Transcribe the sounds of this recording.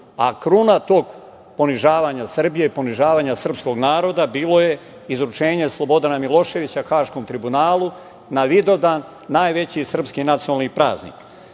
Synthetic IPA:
akɾunat̪o̞ːɡ | po̞niʒaːʋaːɲasr̩bije̞ipo̞niʒaːʋaːɲasr̩psko̞ɡnaːɾo̞d̪abiːlo̞je̞ | izɾut͡ʃe̞ːɲe̞slˠo̞bo̞d̪anamilo̞ʃe̞ʋit͡ɕaxaːʃko̞mt̪ɾibunaːlˠu | naʋid̪o̞d̪aːnː | aːjʋe̞t͡ɕisr̩pskinat̪sioalnipɾa̰ːznḭk

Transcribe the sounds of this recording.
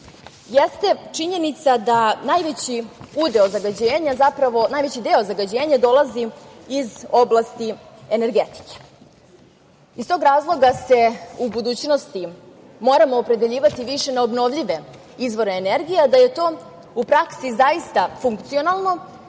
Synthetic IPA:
jest̪e̞t͡ʂiɲe̞nit̪sad̪anajʋet͡ɕiud̪e̞ozaɡad͡ʑeːɲazapɾaʋo̞naːjʋet͡ɕid̪eo̞zaɡad͡ʑe̞ːɲad̪o̞lˠaziizo̞blˠast̪i | ene̞ɾɡet̪i̥ke̥ | ist̪oɡɾaːzlˠo̞ɡase̞ubud̪uːt͡ɕno̞st̪i | mo̞ːɾamoːpɾe̞d̪eʎiːʋat̪iʋiʃe̞neobno̞ʋʎiʋe̞ | izʋo̞ɾeːneɾɡijad̪aje̞t̪o̞ː | upɾaksizaist̪afuŋkt̪sio̞nalˠno̞

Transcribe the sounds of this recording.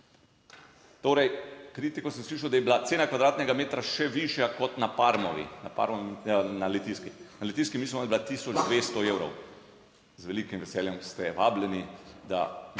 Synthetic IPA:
t̪oːɾɛjkɾiːt̪ikɔsɛmsliːʃawd̪ajɛbilat̪seːnakʋad̪ɾaːt̪nɛɡameːt̪ɾaʃɛʋiʃjakɔt̪napaɾmɔʋḭnapa̰ɾmɔnalɛt̪iskinalɛt̪iskimiːsmɔd̪bilat̪isɔd͡ʒd̪ʋeːst̪ɔewɾɔ̰w | zʋɛlikimʋɛsɛːljɛmst̪ɛʋaːblɛnid̪a̰

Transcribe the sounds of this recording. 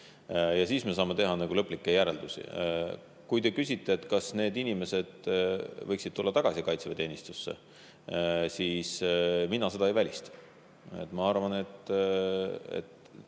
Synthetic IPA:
jɑsiːsme̞s̬ɑːmet̪e̞ɦɑnɑɡ̥ulɤpːˑlikːejæɾe̞ld̪usḭ | kujt̪e̞kysʲit̪ːˑe̞ːt̪kɑsne̞ːd̪inime̞se̞d̪̥vɤjksid̥̪̚t̪ulːɑt̪ɑɡ̥ɑsikɑjt̪sevet̪e̞ːnist̪usːe̞̰ | siːsminɑse̞d̪̥ɑejvælʲist̪ | et̪ːˑmɑɑrvɑne̞t̪ː | ḛt̪

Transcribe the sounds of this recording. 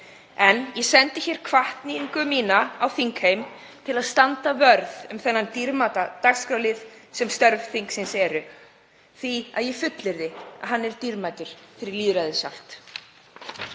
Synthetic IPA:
ɛnjɛsɛnt̪ɪçɛɾ̥kʰvaht̪niŋkʏmiːnaawθiŋkhejm | t̪ʰɪlaðst̪ant̪avœɾðʏmθɛnːant̪iɾmaːt̪at̪aɣskɾawlɪðsɛmst̪œɾv̥θiŋksɪnsɛɾʏ | θvia̰ðjɛfʏt̪lɪɾðɪa̰ðɦanːɛɾt̪iɾmajt̪ʏɾ̥fɪɾɪɾliːðɾajðɪsal̥t̪

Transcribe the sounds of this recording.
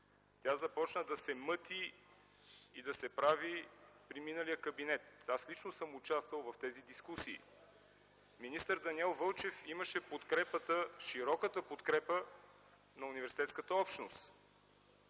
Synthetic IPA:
t̪ʲazɐpɔt͡ʃnəd̪ɐsɛmɤt̪i | d̪ɐsɛpɾavipɾiminəlijəkɐbinɛt̪aslit͡ʃnosɤmʊt͡ʃast̪vəlˠvɐft̪ɛzid̪iskusḭː | minist̪əɾd̪ɐniɛlˠvɤlˠt͡ʃɛfiməʃɛpot̪kɾɛpət̪əʃiɾɔkət̪əpot̪kɾɛpə | nɐunivɛɾsit̪ɛt̪skət̪əɔpʃt̪nost̪

